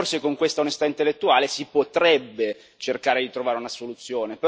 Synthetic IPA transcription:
rsekoŋkwest̪aunest̪aint̪elːet̪ːuaːlesipot̪ɾɛbːe | t͡ʃerkaːɾed̪it̪ɾovaːɾeunasolut̪sːjoːnepe

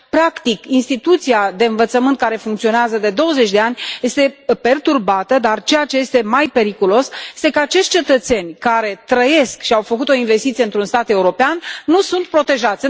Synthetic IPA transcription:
pɾakt̪ikinst̪it̪ut̪siad̪e̞ɨnvət̪səmɨnt̪̚kaɾe̞fuŋkt̪sio̞neazəd̪e̞d̪o̞wəze̞t͡ʃʲd̪e̞anʲje̞st̪e̞pe̞rt̪urbat̪əd̪art͡ʃe̞jat͡ʃe̞je̞st̪e̞majpe̞ɾikulo̞sje̞st̪e̞kəat͡ʃe̞ʃt̚ʲt͡ʃe̞t̪ət̪se̞nʲkaɾe̞t̪ɾəje̞skʃiawfəkut̪o̞inve̞st̪it̪sijeɨnt̪ɾunst̪at̪e̞uɾo̞peanːusunt̪̚pɾo̞t̪e̞ʒat̪sʲ

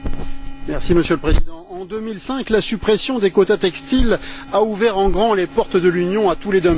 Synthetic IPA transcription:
mɛʁsiməsjøləpχezid̪ɑ̃ɑ̃d̪ømilsɛ̃klasypχesjɔ̃d̪ekot̪at̪ɛkst̪ilauvɛʁɑ̃ɡʁɑ̃lepɔʁt̪d̪əlynjɔ̃at̪uled̪ɔm

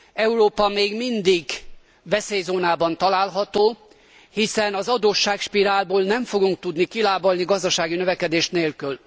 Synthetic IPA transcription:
ɛuɾoːpɒmeːɡmind̪iɡ | vɛseːjzoːnaːbɒnt̪ɒlaːlɦɒt̪oː | hisɛnɒzɒd̪oːʃːaːkʃpiɾaːlboːlnɛɱfoɡuŋk̚t̪ud̪nikilaːbolniɡɒzd̪ɒʃaːɡinøvɛkɛd̪eːʃneːlkyl

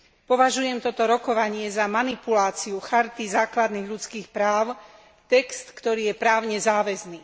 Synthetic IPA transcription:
pɔʋaʒujɛmt̪ɔt̪ɔɾɔkɔʋaɲɪɛzamanipulaːt͡siuxaɾt̪izaːklad̪niːɣʎut͡skiːxpɾaːʊ | t̪ɛkst̪kt̪ɔɾiːjɛpɾaːʊɲɛzaːʋɛzniː

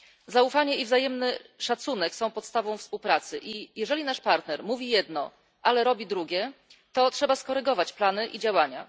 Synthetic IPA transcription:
zaufaɲɛivzajɛmnɘʂat̪sunɛksɔ̃w̃pɔt̪st̪avɔ̃w̃fspuwpɾat̪sɘʔijɛʐɛlʲinaʂpaɾt̪nɛɾmuvʲijɛd̪nɔ | ʔalɛɾɔbʲid̪ɾuɡʲjɛt̪ɔtʂɛbaskɔɾɘɡɔvat͡ɕplanɘʔid͡ʑawaɲa̰

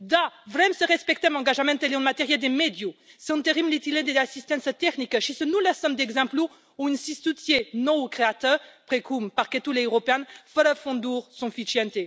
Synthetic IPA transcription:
d̪avʁɛmsəʁɛspɛk̚t̪ɛ̃mɑ̃ɡaʒamɛ̃t̪eleɔ̃nmat̪ɛʁjɛld̪emed̪josɛɔ̃nt̪eʁimlit̪iled̪easist̪ɛ̃nst̪ɛknikʃisənulɛsɔmd̪ɛɡzɛ̃plu | uynsist̪ut̪jenɔ̃ukχeat̪œʁpχekumpaʁkɛt̪uleøʁopeɛ̃nfəɾəfɔ̃d̪uʁsɔ̃fit͡ʃiɛ̃nt̪e

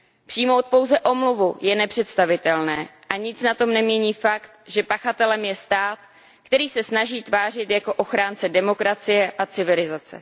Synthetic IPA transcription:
pr̥iːmo̞wt̪̚po̞wzɛʔo̞mluvujɛnɛpr̥ɛt̪st̪avɪt̪ɛlnɛːʔaɲɪt͡snat̪o̞mnɛmɲɛɲiːfakt̪ʒɛpaxat̪ɛlɛmjɛst̪aːt̪ | kt̪ɛɾiːsɛsnaʒiːt̪vaːrɪt̪jako̞ʔo̞xɾaːnt͡sɛdɛmo̞kɾat͡sɪjɛʔat͡sɪvɪlɪzat͡sɛ̰

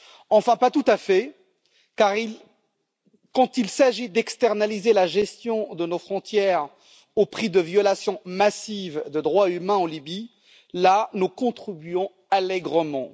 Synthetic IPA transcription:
ɑ̃fɛ̃pat̪ut̪afɛ | kaʁil | kɑ̃t̪ilsaʒid̪ɛkst̪ɛʁnalizelaʒɛst̪jɔ̃d̪ənofχɔ̃t̪jɛʁ | opχid̪əvjɔlasjɔ̃masivd̪əd̪ʁwaymɛ̃ɑ̃libi | lanukɔ̃t̪χibyɔ̃ | alɛɡʁəmɑ̃

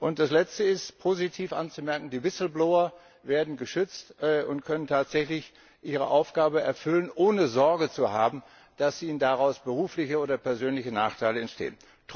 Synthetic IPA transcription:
ʔʊnt̚d̥aslɛt͡stəɪstpʰozitʰiːfʔant͡sumɛɐkŋ̩diːvɪsl̩blɔʊɐ | veːɐdn̩ɡəʃʏt͡stːʔʊntkʰœnəntʰaːtz̥ɛçlɪç | ʔiːʁ̞ə̰ʔaʊfɡ̥aːbəʔɛɐfʏlənʔoːnəzɔɐɡət͡suhaːbm̩ | d̥asz̥inəndaʁaʊsb̥əʁuːflɪçəoːdɐpɛɐzøːnlɪçənaːχtʰaɪləɛntʃtḛːən | t

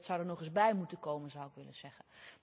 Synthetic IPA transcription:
tsawdərnɔχɪzbɛjmutənkowmənzawɪkʋɪlə̰nz̥ɛɣə

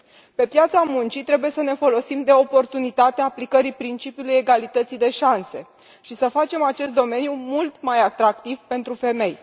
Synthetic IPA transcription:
pe̞pjat̪samunt͡ʃit̪ɾe̞buje̞səne̞fo̞lo̞simd̪e̞o̞po̞rt̪unit̪at̪eaːplikəɾipɾint͡ʃipijuluje̞ɡalit̪ət̪sid̪e̞ʃanse̞ | ʃisəfat͡ʃe̞mat͡ʃe̞st̪d̪o̞me̞njumult̪majat̪ɾak̚t̪ivpe̞nt̪ɾufe̞me̞j

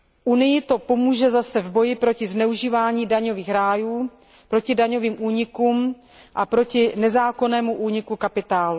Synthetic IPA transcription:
ʔunɪjɪt̪o̞po̞muːʒɛzasɛvbo̞jɪpɾo̞cɪznɛuʒiːvaːɲiːdaɲo̞viːxɾaːjuː | pɾo̞cɪdaɲo̞viːmʔuːɲɪkuːm | ʔapɾo̞cɪnɛzaːko̞nɛːmuʔuːɲɪkukapɪt̪aːlu

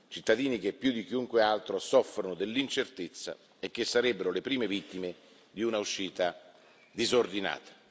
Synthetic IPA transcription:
t͡ʃit̪ːad̪iːnik̟epːjud̪ik̟iuŋkwealt̪ɾosɔfːɾonod̪elːint͡ʃert̪et̪sːa̰ | ek̟ːesːaɾɛbːeɾolepɾiːmevit̪ːime | d̪iunauʃːiːt̪a | d̪izord̪ina̰ːt̪ḁ

